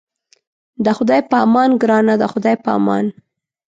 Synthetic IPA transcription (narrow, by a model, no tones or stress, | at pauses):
d̪əxʊd̪ɑjpəɑmɑnɡɾɑnad̪əxʊd̪ɑjpɑ̰mɑ̰n